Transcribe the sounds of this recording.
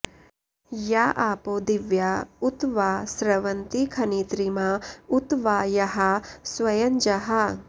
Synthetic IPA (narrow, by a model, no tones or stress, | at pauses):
jaːʔaːpoːd̪iʋjaut̪ʋaːsɾɐʋɐnt̪ikʰɐniːt̪ɾimaut̪ʋaːjɐɦɐswɐjɐɲd͡ʒɐɦɐ